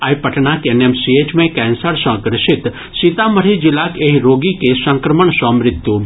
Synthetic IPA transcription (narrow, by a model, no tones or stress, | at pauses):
ajpɐʈnakenemsieːt͡ʃmẽkɛːnsəɾsə̃kɾɪʃɪt̪ | sit̪amɐɾid͡ʒɪlakeːɦiɾoːɡikesɐ̃ŋkɾəməɳsɔ̃mɾɪt̪ju